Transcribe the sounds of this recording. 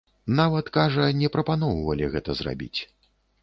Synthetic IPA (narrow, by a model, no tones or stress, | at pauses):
navɐt̪kaʐɐnʲɛpɾɐpanɔwvɐlʲiɣɛt̪ɐzra̰bʲḭt͡sʲ